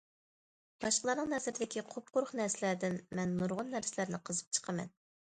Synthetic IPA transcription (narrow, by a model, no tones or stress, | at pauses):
b̥ɑʃqəlˠɑɾnəŋnɛzɪɾɪd̪ɪkʲiqʰop̚qʊɾχnæɾsɪlæɾd̪ɪnmɛnːuɾʁʊnːæɾsɪlæɾnɪqʰəzɨp̚t͡ʃʰə̥qʰəmɛ̰n